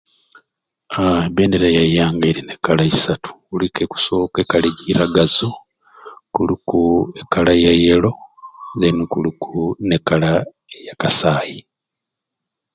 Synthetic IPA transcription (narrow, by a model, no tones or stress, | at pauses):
abeːndeɾajajaːŋɡeːɾine̞kalaisatʰu̥ulikʰeku̥soːkekaliɟiɾaɡazu | kulukuekalajajelo̞zenukulukʰunekala | jakasaːji